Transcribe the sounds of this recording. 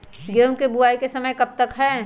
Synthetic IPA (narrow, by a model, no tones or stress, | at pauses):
ɡeũkebuaːikesɐməjkɐb̚t̪ɐkɦɛː